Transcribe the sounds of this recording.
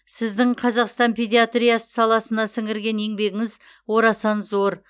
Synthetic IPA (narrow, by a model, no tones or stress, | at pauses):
sɪzd̪ɪɴqʰɑzɑqst̪ɑnpʲʰed̪ʲiat̪rʲijasə̥sɑlˠɑsənɑsɪŋɪɾɡʲe̞ne̞ŋbe̞ɡʲɪŋɪz | wo̞ɾɑsɑnzo̞ɾ